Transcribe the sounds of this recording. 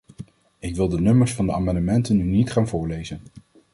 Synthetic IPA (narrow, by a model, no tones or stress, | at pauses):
ɪkʋɪlˠdənɵməɹsfɑndəa̰ːmɑndəmɛntənːynitχaːnvʊːɹlejzən